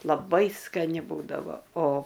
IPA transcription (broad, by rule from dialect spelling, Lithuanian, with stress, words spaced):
lˠɐˈbɐɪ skɐˈnʲɪ ˈbuːdɐʋoː oː